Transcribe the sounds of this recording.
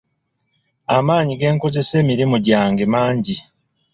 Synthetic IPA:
amaːɲiɡe̞ːŋko̞ze̞se̞ːmiɾimuɟaːŋɡe̞maːɲɟi

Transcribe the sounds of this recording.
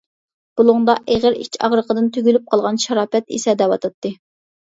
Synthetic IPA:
b̥ulˠʊŋd̪ɑʔeʁəɾḭt͡ʃʰɑ̰ʁɾəqʰəd̪ɨnt̪ʰyɡʲylyp̚qʰɑlˠʁɑnʃɑɾɑːpɛt̪ḭsɛd̪ɛwɑt̪ʰɑt̪ːɨ

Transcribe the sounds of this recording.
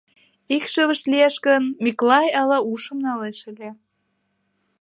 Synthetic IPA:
ikʃəβə̆ʃlieʃkənmiklɑjɑlɑuʃə̆mnɑleʃə̆lʲe

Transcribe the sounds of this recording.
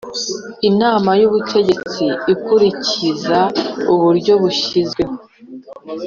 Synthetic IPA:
inaːmajuβutʰe̞ɟe̞t͡siikuɾicizauβuɾɟo̞βuʃizɡe̞ho

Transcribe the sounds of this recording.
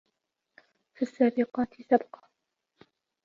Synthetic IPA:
fisːaːbɪqɑːt̪ɪsabqɑ

